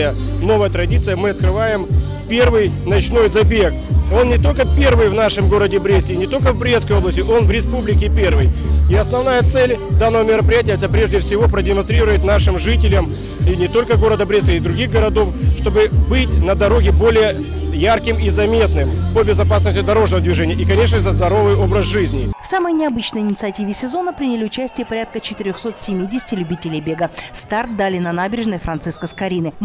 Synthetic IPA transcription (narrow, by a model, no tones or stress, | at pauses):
jəno̞vəjət̪ɾɐdʲit̪sɨjəmɨɐt̪̚kɾɨvajɪm | pʲe̞rvɨjnɐt͡ɕno̞jzɐbʲeko̞nnʲɪt̪o̞lʲkəpʲervɨjvnaʂɨmɡo̞ɾədʲɪbɾʲesʲtʲɪnʲɪt̪o̞lʲkəvbɾʲeskəjoblˠəsʲtʲɪʔo̞nvɾʲɪspublʲɪkʲɪpʲe̞rvɨjɪɐsnɐvnajət̪sɛlʲd̪anːəvəmʲɪɾəpɾʲɪjætʲɪjəɛt̪əpɾʲe̞ʐdʲɪfsʲɪvo̞pɾədʲɪmɐnst̪ɾʲiɾəvəjɪt̪naʂɨmʐɨtʲɪlʲəm | inʲɪt̪o̞lʲkəɡo̞ɾəd̪əbɾʲet̪ʲəid̪ɾʊɡʲiɣɡəɾɐd̪o̞fʂt̪o̞bɨbɨtʲnəd̪ɐɾo̞ɡʲɪbo̞lʲɪjə | jarkʲɪmizɐmʲe̞t̪nɨmpobʲɪzɐpas̬nəsʲtʲɪd̪ɐɾo̞ʐnəvəd̪vʲɪʐɛnʲɪjəikɐnʲe̞ʂ̬nət̪əzd̪ɐɾo̞vɨjo̞bɾəzʐɨzʲnʲɪfsaməjnʲɪɐbɨt͡ɕnəjɪnʲɪt̪sɨɐtʲivʲɪsʲɪzo̞nəpɾʲinʲɪlʲiʊt͡ɕæsʲtʲɪjəpɐɾʲat̪̚kət͡ɕɪt̪ɪɾʲoxso̞t̪sʲɪmʲidʲɪsʲɪ̥tʲɪlʲʉbʲitʲɪlʲɪjbʲe̞ɡəst̪art̪̚d̪alʲɪnɐnabʲɪɾʲɪʐnəjfɾɐnt̪sɨskəskɐɾʲinɨ